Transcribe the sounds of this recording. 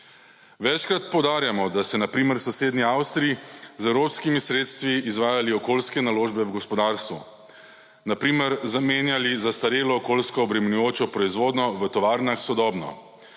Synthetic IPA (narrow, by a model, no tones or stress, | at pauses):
ʋɛt͡ʃkɾat̪̚pɔwd̪aːɾjamɔd̪asɛnapɾiːmɛɾsɔseːd̪niawst̪ɾiizɛwɾopskimisɾeːt̪st̪ʋiːzʋaːjaliɔkolskɛnaloːʒbɛwɡɔspɔd̪aːɾst̪ʋṵ | napɾiːmɛɾzameːnjalizast̪aɾeːlɔːkolskɔːbɾɛmɛnujoːt͡ʃɔpɾɔizʋoːd̪nɔʋət̪ɔʋaːɾnaxsɔd̪ɔːbnɔ̰